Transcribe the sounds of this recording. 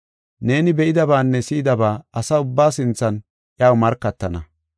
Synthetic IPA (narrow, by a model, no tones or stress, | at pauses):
ne̞ːnɪbɛʔɪd̪ɐbaːnːɛsiːd̪ɐbaːɐsaːʊbːaːsɪnt͡sːɐn | ʔjaːwmɐɾkːɐt̪ːɐnɐ